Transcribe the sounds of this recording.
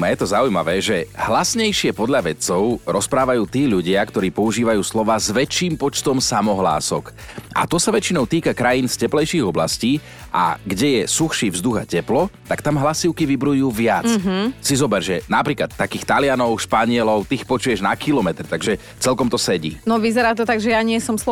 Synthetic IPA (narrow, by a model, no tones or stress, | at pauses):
jɛt̪ɔzaujma̰ʋɛːʒɛhlasɲɛjʃɪɛpɔd̪ʎaʋɛt͡sɔʊɾʔɔspɾaːʋajuːt̪iːʎuɟɪakt̪ɔɾiːpɔuʒiːʋajuːslɔʋaːzʋɛt͡ʃːiːmpɔt͡ʃt̪ɔmsamɔɦla̰ːsɔk | ʔa̰t̪ɔsaʋɛt͡ʃinɔʊt̪iːkakɾajinscɛplɛjʃiːɣɔbla̰sciː | ʔa̰ɡɟɛjɛsuxʃiːvzd̪uɣa̰cɛplɔt̪akt̪amɦlasiʊkiʋibɾujuːʋɪat͡ssizɔbɛɾʒɛnapɾiːklat̪ːakiːxt̪alɪanɔʊʃpaɲɪɛlɔʊt̪ixpɔt͡ʃujɛʒnakilɔmɛt̪ɾt̪aɡʒɛ | t͡sɛlkɔmt̪ɔsɛɟḭːnɔʋizɛɾaːt̪ɔt̪aɡʒɛjaɲɪɛsɔms